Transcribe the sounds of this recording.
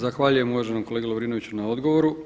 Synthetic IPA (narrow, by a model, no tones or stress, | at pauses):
zaxʋaːʎuje̞muʋaʒenomkoleːɡeloʋɾiːno̞ʋit͡ɕunao̞d̪ɡo̞ʋo̞ɾu